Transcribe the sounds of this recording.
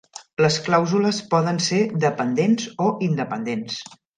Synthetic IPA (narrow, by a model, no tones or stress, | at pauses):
ləsklawzuləspɔðənsed̪əpənd̪enzoʔind̪əpənd̪ens